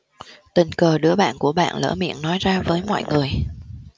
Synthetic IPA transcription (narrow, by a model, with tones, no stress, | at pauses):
t̪ï˨˩ŋkəː˨˩ɗɨ˨˦˥əɓa̰ː˧˨nku˧˩əɓa̰ː˧˨nlə̰ː˧˥˩mḭ˧˨ənːɔ˨˦jzaː˧vəː˨˦jmɔ̰˧˨jŋɨ˨˩əj